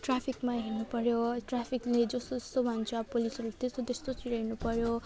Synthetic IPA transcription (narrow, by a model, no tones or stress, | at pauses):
ʈrapʰikmaɦinupʌɾjoʈrapʰikled͡zʌst̪oʌst̪obʱʌnt͡sʰapolisʌɾut̪est̪ot̪est̪ot͡siɾainupʌɾjo